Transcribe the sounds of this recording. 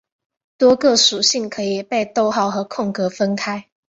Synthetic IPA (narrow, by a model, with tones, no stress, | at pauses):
t̪wɔ˥kɤ˥˩ʂu˨˩ɕi˥˩ŋkʰɤ˧˥i˨˩pe˥˧ɪt̪o˥˧ʊxɑ˥˩ʊxɤ˧˥kʰʊ˥˩ŋkɤ˧˥fə˥nkʰa˥ɪ